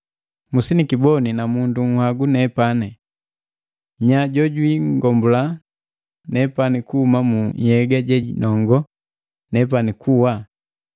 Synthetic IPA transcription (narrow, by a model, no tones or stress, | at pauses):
musinikibɔninamunduŋ̩hwaɡunɛpanɛ | ɲaɟɔɟwiŋɡɔmbula | nɛpanikuhumamuɲhɛɡaɟɛɟinʔɔŋɡɔ | nɛp̬anikʰuwa